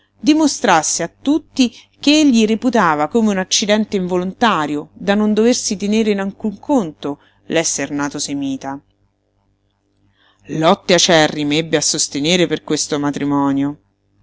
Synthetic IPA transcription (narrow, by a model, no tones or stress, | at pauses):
d̪imost̪ɾasːeat̪ːut̪ːi | keeʎːiriput̪aːvakomeunat͡ʃːid̪ɛnt̪eiɱvolont̪aːɾjod̪anond̪oversit̪eneːɾenaŋkuŋkʰont̪o | lɛsːernaːt̪osemiːt̪a | lɔt̪ːeat͡ʃːɛrːimebːeasːost̪eneːɾeperkwest̪omat̪ɾimɔːnjo